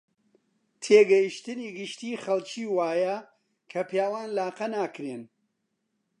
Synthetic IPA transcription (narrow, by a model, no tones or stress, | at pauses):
t̪ʰeːɡɐjiʃt̪ɨniːɡɨʃt̪iːχɐlˠt͡ʃiːwaːjɐ | kʰɐpjaːwaːnlaːqɐnaːkɾen